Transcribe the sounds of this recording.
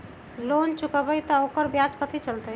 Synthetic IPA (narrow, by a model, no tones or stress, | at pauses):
lont͡ʃukəbəjt̪ɔokəɾbjad͡ʒkət̪ʰit͡ʃəlt̪əj